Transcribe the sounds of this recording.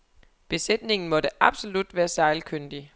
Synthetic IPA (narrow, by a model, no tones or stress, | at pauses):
b̥e̝sed̥ne̝ŋn̩mɒ̽d̥əʔɑ̈b̥so̝lud̥ʋæːɐsɑ̈ɪlkʰøn̰d̥i